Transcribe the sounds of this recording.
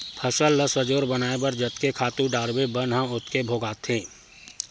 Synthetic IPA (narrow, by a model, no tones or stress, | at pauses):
pʰəsəlːəsəd͡ʒoːɾbɐnaːebɐɾd͡ʒɐt̪kekʰaːt̪ũɖaːɾbebɐnɦə̃ʊt̪kebʱoːɡaːt̪ʰɦẽː